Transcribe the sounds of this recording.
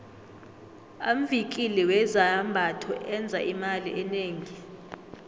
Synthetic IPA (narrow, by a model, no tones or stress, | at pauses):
am̩vik̬ʼilɛwɛzaambʱatʰɔʔɛnd͡zʱaʔimalḭʔɛneːŋi